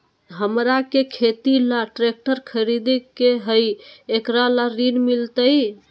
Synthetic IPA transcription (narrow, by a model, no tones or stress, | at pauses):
ɦəmɾakekʰet̪ilaʈɾek̚ʈəɾkʰəɾid̪ikeɦəjekɾalaɾinmilt̪əj